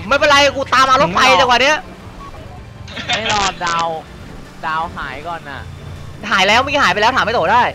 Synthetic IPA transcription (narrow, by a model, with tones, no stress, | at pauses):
mː˧˥˩pe˧nla˧jkuː˧t̪aː˧mʔa˧lo˦˥t̪̚fa˧jt͡ɕaː˧˩kwaː˨˩ni˦˥ɐʔ | ma˥˩jlɔː˧ndaː˧w | daː˧wɦaː˩˦jkɔː˨˩nʔa̰˨˩ʔɦaː˩˦jlɛː˦˥wma˧i˧˥˩aː˩˦jpa˧lɛː˦˥t̪ʰaː˨˦ma˥˩t̪oː˨˩daː˥˩j